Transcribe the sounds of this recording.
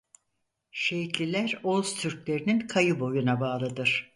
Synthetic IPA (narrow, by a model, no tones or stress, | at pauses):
ʃe̞jit̪lʲilʲæɾolˠzt̪ʰyɾclʲe̞ɾininkʰajɯbo̞junabaːlˠɯd̪ɯɾ̥